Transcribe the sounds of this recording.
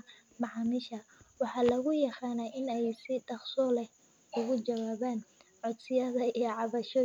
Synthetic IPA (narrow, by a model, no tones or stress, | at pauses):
mɑʕɑmɪʃɐwɑħɑːlɐɣʊjɑqɑːnɛʔɪnɛjsɪdɑχsɔːlɛ | ʊɣʊt͡ʃɐwaːβaːnʕɔd̪sɪjɐðɐijɔʕɑβɐʃɔ